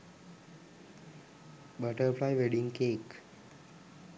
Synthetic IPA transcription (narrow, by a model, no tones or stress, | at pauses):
bəʈəɾplaɪʋeɖɪ̃ŋkeːk